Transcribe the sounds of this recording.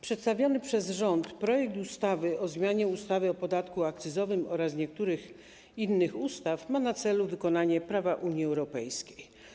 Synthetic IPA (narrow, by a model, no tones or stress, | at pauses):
pʂɛt̪st̪avʲjɔnɘpʂɛzʐɔnt̪pɾɔjɛk̚t̪ust̪avɘʔɔzmʲjaɲɛust̪avɘɔpɔd̪at̪kuak̚t̪sɘzɔvɘmɔɾasɲɛk̚t̪uɾɘx | inːɘxust̪afmanat̪sɛluvɘkɔnaɲɛpɾavaʔuɲjiɛwɾɔpɛjskʲe̥j